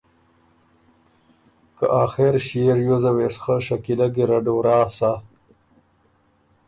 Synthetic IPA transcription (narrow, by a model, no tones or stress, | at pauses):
kaʔaːxeɾɕieɾjozɐwesxəʃakilaɡiɾɐɖoːɾaːsa